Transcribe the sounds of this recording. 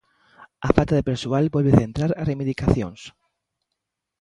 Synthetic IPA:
afalt̪aðepeɾsualbɔlβeθent̪ɾaɾaremiðikaθjõ̰ŋs

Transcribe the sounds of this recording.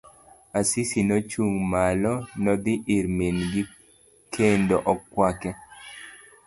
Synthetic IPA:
asisinɔt͡ʃuŋmalɔnɔd̪ɪʔɪɾminɡi | kʰendoʔɔkːwakɛ

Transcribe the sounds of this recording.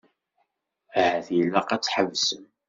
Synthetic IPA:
ʕθjilːæqæt͡sːħəvsəm

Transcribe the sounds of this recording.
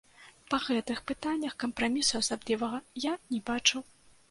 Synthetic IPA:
pɐɣɛt̪ɨxpɨt̪anʲːɐxkɐmpɾamʲisuɐsablʲivɐɣɐjanʲɛbat͡ʂɨw

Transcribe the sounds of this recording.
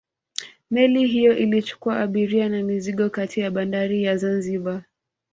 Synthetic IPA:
mɛliɦijɔʔilit͡ʃu̥kuaʔːɓiɾianamiziɠɔkatʰijaɓandaɾijazanziɓa

